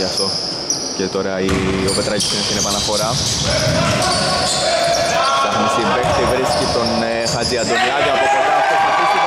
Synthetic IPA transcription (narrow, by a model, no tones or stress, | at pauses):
ɐft̪o̞ | cet̪o̞ɾɐiope̞t̪ɾɐcisinest̪inepɐnɐfo̞ɾɐ | tɐxnist̪imbekt̪ivɾiscit̪o̞n | xɐd̪iɐd̪omlɐkɐɐpotoɾɐɐ | i